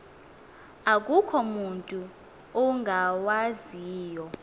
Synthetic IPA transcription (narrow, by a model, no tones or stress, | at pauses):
ak̬ʼukʰɔmuntʼu | ɔŋɡʱawaziːjɔ